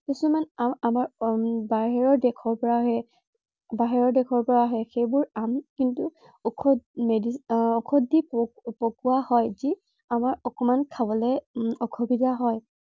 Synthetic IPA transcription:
tisɔmanaamaɹbaɦɛɹɔɹdɛkʰɔɹpɔɹaɦɛ | baɦɛɹɔɹdɛkʰɔɹpɔɹaɦɛxejbʊɹamkintu | ɔkʰɔmediɔkʰɔdippokuahɔjzi | amaɹɔkɔmankʰabɔlɛɔkʰobidaɦɔj

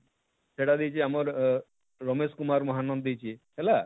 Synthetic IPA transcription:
seʈad̪ijt͡ʃʰiamɔɾ | ɾɔmeskumaɾmɔɦanːɔnd̪ijt͡ʃʰiɦela

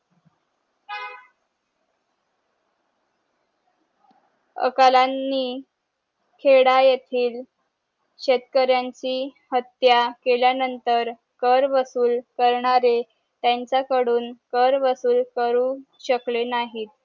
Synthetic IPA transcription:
ə̰kalanːiː | kʰeɽajet̪ʰiːl | ɕet̪kəɾjaɲt͡ɕiːhət̪jakeljanənt̪əɾ | kəɾʋəsuːlkəɾɳaɾe | t̪jaɲt͡sakəɽuːnkəɾʋəsuːlkəɾuːɕəklenaɦiːt̪

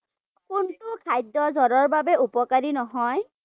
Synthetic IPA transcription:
kʊntʊkʰajdːɔzɔɹɔɹbabɛupɔkaɹinɔɦɔj

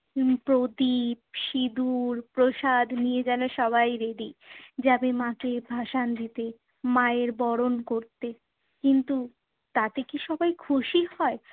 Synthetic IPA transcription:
pɾod̪ibʃid̪uɾpɾoʃad̪ʱnied͡ʑaleʃɔβajɾeɖid͡ʑabemãkebʱaʃand̪it̪e | maeɾbɔɾonkoɾt̪e | kint̪u | t̪at̪ekiʃɔbajkʰuʃiɦɔe

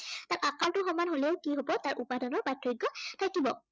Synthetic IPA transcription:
tatakaltʊxɔmanɦoleʊkiɦobɔtaɹʔupadɔnɔɹbatʰːɹɔɡːɔtʰakibɔ

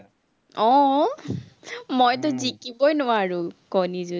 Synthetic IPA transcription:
ɔ̃ | mojt̬ʊzikibɔjnʊwaɹʊkɔnizu

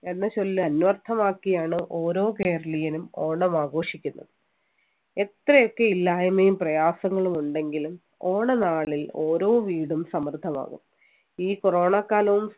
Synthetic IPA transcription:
e̞nːɐt͡ɕo̞lːɨɐnʋɐrt̪ʰɐmaːkːijaːɳɨʔo̞ːɾo̞ːke̞ːrɐlijɐnumo̞ːɳɐmaːɡo̞ːʂikʲːunːɐ̰ðɨ | e̞t̪rɐjo̞kːe̞ilːaːjɐmejumprɐjaːsɐŋːɐɭumuɳɖe̞ŋɡilum | o̞ːɳɐnaːɭilo̞ːɾo̞ːʋiːɽumsɐmɐrd̪ʱːɐma̰ːɣṵm | iːkoro̞ːɳakːaːlɐʋum

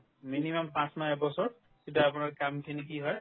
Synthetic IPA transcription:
minimɔmpãsmaɛbɔsɔɹ | kitaapʊnaɹkamkʰinikiɦɔj

